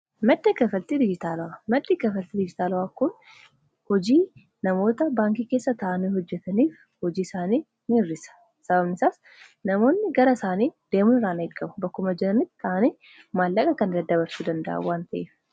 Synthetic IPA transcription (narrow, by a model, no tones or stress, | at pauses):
mɐd̪ʼːɪkʼɐfɐlt̪id̪ɪd͡ʒɪt̪aːlʊwaːmɐd̪ːikɐfɐlt̪id̪ɪd͡ʒɪt̪aːlwaːkʊn | hɔd͡ʒiː | nɐmo̞ːt̪ɐbaːŋkikeːsːɐt̪ɐʔɐniːhɔd͡ʒːɛt̪ɐniːf | hɔd͡ʒiːsaːniː | mirːɪsɐ̥ | sɐbɐbnɪsaːs | nɐmo̞ːnːɪɡɐɾɐsaːniːd̪̥e̞ːmʊnɪɾaːnɐɪkʼːɐbɐbɐkːʊmɐd͡ʒɪɾɐnɪt̪ːt̪ːɐʔɐniː | maːlːɐkʼɐkɐnd̪ɐd̪ɐbɐɾsuːd̪ɐnd̪ɐʔɐ̰waːnt̪ɐʔeːf